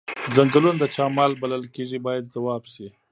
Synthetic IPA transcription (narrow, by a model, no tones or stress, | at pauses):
zaŋɡlund̪ət͡ʃɑmɑlbaləlkeʐibɑjad̪̚zawɑbʃi